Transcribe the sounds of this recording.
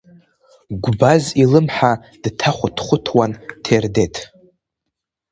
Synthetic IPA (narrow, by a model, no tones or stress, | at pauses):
ɡʷbazilɨmħa | d̥tʰaχʷʊtʰχʷʊtʰwantʰerde̞tʰ